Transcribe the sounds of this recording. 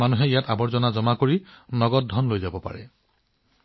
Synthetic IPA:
anuɦɛijatabɔɹzɔnazɔmakoɹinɔɡɔt̚dʱɔnlojzabɔpa̰ɹɛ̰

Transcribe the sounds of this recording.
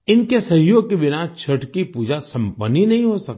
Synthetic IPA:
ɪnkesɐɦjoːɡ̚kebɪnat͡ʃʰɐʈkipuːd͡ʒasɐ̃mpəninɐɦĩɦosɐk̪̚

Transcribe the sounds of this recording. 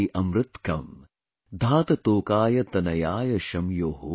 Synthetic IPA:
iʔɐmɾɨt̪kɐm | d̪ʱaːt̪ɐt̪oːkaːjɐt̪ɐnɐjaːjɐʃɐmjoːɦo

